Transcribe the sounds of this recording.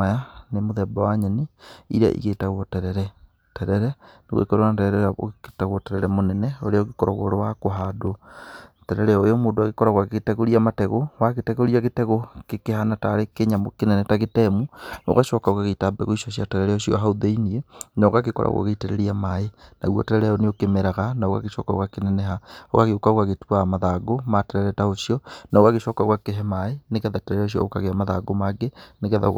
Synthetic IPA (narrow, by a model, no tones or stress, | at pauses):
ajanemoðɛbawaɲɛniḭɾa̰ʔḭɣetaɣwɔtɛɾɛɾɛ | tɛɾɛɾɛneɣḛkɔɾoatɛɾɛɾɛao̰ketaɣwɔtɛɾɛɾɛmonɛnɛoɾeaoɣekɔɾɔ̰ɣɔ̰ɾowakoɦadotɛɾɛɾɛojɔmoːndoaɣekɔɾaɣwaɣeetɛɣoɾiamatɛɣowaɣetɛɣoɾiaɣetɛɣokekehanataɾekeɲamokenɛnɛtaɣetɛmuo̰ɣaʃɔkaoɣaɣetabɛ̰ɣoiʃɔɕiatɛɣɛɾɛɔʃiɔ̰ɦaoðeinienaoɣakekɔ̰ɾa̰ɣwa̰ɣeitɛɾɛ̰ɾiamaena̰ɣwɔ̰tɛɾɛɾɛɔneokemeɾaɣanaoɣa̰ɣeʃɔ̰kaɣwakenɛnɛɦaoɣaɣeokaoɣaɣetuamaðaɡomatɛɾɛɾɛtaoʃijɔnaoɣaɣeʃɔkaɣwakeɦɛmaeneɣɛðatɛɾɛɾɛɔʃ̬jɔ̰okaɣeamaðaɡomaɡeneɣɛða̰